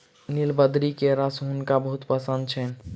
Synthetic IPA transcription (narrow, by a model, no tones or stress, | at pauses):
nilbəd̪ɾikeɾəsɦunkabəɦut̪pəsənd̪̚t͡ʃʰɛn